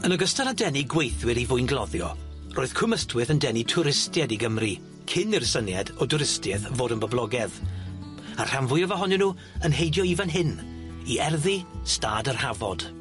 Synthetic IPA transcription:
ənəɡəstaɾadɛniɡwejθwɨɾivʊɨnɡlˠɔðjɔ̰ | roːɨð̥kʰʊməstʰwɪðəndɛnitʰʊɾɪstjɛdiɡəmri | kʰɪnɪrsənjɛdɔdʊɾɪstjɛðvoːdənbəblˠɔɡɛð | a̰r̥amvʊjɔvaɦɔnɛnuː | ənɦejdjɔivanɦɪn | iɛrðistaːdərhavɔd̥

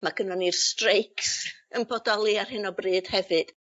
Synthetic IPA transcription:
maɡ̥ənɔnirstrejksənbʰɔdɔlˠiarhɪnɔbrɨːd̥hɛvɨd̥

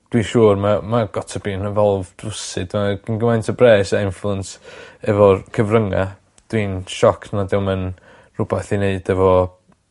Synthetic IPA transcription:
d̥wiʃuːrmamaɡ̥ɔtʰabiːnəvɛlˠvdʊsɨdmaɡ̥ənɡəmajntʰəbrɛːsaɪnflˠuənsɛvɔkʰəvrəŋa̰ | d̥wiːnʃɔkʰnadɛwmən | rʊbɛθineɨdɛvɔ

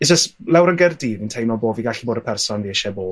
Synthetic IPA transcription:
idd͡ʒəstlˠɛwɾənɡɛrdiːvintʰejnɔboːviɡaɬiboːdəpʰɛrsɔnviəʃɛboː

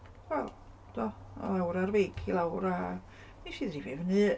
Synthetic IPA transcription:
wɛlˠ | d̥̪ɔ̰ | lawɾarveːkʰilˠawɾa | niʃiðrivevnɨ

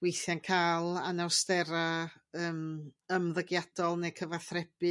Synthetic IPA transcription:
wejθjankʰaːlˠanawstɛɾaəːməmðəɡjad̥ɔlˠnekʰəvaθrɛb̥ɨ

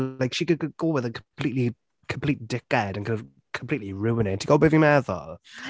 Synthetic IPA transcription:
aɪkʃikɨd̚kəɡoʊwɪðəkʰəmpʰl̥iʔˡli | kʰə̃m̩pʰl̥iˑt̚d̥ɪk̚ɛdə̃nkʰʌ̃n | kʰə̃mpl̥iˑʔˡliɹʉə̃neɪtʰəɡoʊbɪvĩmɛðə̰

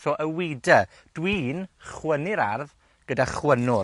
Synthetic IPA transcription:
sɔʔəwidə | d̥wiːnχwənɪɾarð | ɡ̥ədaχwənʊ

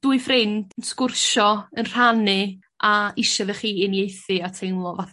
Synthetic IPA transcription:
d̥uɨfrɪndənskʊrʃɔənr̥anɨ | aɪʃaðɛχiːɪnjejθɨatʰejnlˠɔvaθ

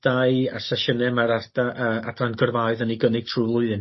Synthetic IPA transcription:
d̥aɨa̰saʃənɛmaɾardaʔəa̰danɡərvaɨðəniɡənɪɡ̥̚tʰruːlˠʊɨðɨn

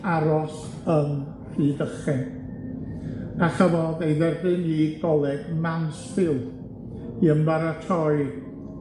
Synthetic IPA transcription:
aɾɔs | ən | r̥iːdəχɛ | aχəvɔðejðɛrbɨniɡɔlˠɛɡmansfɪlˠ | iəmbaɾatʰɔɨ

